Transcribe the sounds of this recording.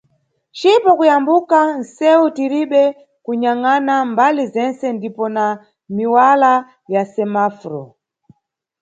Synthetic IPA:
t͡ʃipɔkujambukan̩sɛutiɾiɓɛ | kuɲaŋanambalizɛnsɛndipɔna | miwala | jasɛmafɾɔ

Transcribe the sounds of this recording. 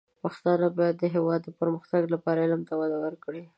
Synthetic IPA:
paxt̪ɑnabɑjad̪ːəɦewɑd̪ːəpəɾməxt̪aɡlapɑɾaɪlamt̪awad̪awəɾkɽi

